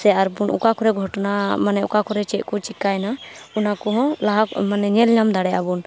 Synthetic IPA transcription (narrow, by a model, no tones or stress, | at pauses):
sɛaɾbunʔṵkakɔɾɛɡʱɔʈnamanɛṵkakɔɾɛt͡ʃɛʔ̪̚ˀkut͡ʃikajnaunakɔɦɔ̃laɦamanɛɲɛlɲamd̪aɽɛabun